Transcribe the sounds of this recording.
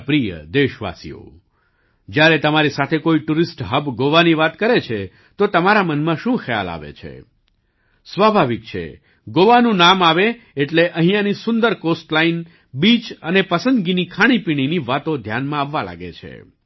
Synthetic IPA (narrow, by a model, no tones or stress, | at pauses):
pɾijə̰d̪eʃʋa̰sḭjo̰ | d͡ʒjaɾet̪əmaɾisat̪ʰekoiʈuɾisʈɦəbɡoʋaniʋat̪kəɾet͡ʃʰe | t̪ot̪əmaɾamənmãʃũxəja̰la̰ʋḛt͡ʃʰḛ | sʋabʱaʋik̚t͡ʃʰḛ | ɡoʋanũnamaʋe | eʈleʔə̃ɦĩjãnisʊnd̪əɾkosʈlain | bit͡ʃənepəsənd̪ɡinikʰaɽ̃ipiɽ̃iniʋat̪õd̪ʱjanmãaʋːala̰ɡḛt͡ʃʰḛ